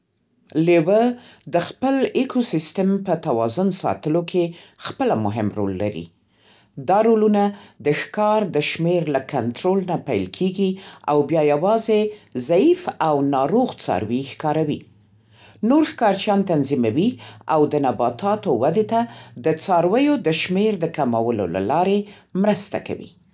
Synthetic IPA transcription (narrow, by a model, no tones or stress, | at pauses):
lewəd̪əxpəlekʰosist̪əmpət̪awɑzʊnsɑ̰t̪əlokʰexpəlamʊɦɪmɾo̰lːa̰ɾḭ | d̪ɑɾolunad̪əxkɑɾd̪əʃmeɾlakʰant̪ɾolnapajlkʰeɡia̰wbjɑjawɑzezaifawnɑɾoɣt͡sɑ̰ɾwixkɑɾawi | noɾxkɑɾt͡ʃjɑnt̪anzimawiawd̪ənabɑt̪ʰɑt̪owad̪et̪ad̪ət͡sɑɾwəjod̪əʃmeɾd̪əkamawəlo̰la̰lɑɾemɾəst̪a̰ka̰wḭ